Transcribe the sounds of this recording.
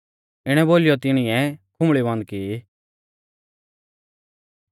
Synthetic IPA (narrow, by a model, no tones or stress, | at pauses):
ɪɽ̃ɛ̃boːlɪjɔt̪ɪɽ̃ɪ̃ɛ̃kʰʊ̃mɭibɔ̃ːnd̪̚ki